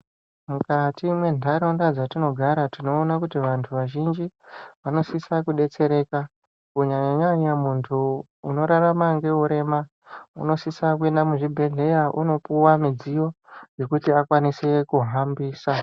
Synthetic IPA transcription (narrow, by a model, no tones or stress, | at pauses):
mukatimwe̞ndʱaɾaundad͡zatino̞ɡʱaɾatino̞ːnakutiʋantʰuʋaʒind͡ʒiʋano̞sisakuɗe̞t͡se̞ɾe̞ka | kuɲaɲaɲaɲamuntʰuː | no̞ɾaramaŋɡe̞uɾe̞ma | ṵno̞sisakue̞ndamuʐibʱe̞ɮe̞jaʔṵno̞puwamid͡zijo̞ | d͡ʒe̞kutiakwanise̞kuɦambiːsa